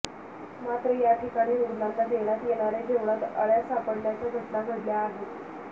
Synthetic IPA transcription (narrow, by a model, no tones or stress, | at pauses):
mat̪ɾəjaʈʰikaɽ̃iːɾoɾlanːad̪eɽ̃at̪jeɽ̃aɾed͡ʑʱeʋɽ̃at̪ə̰ɭjasapəɽljat͡ɕaɡʱəʈnaɡʱəɽljaːɦe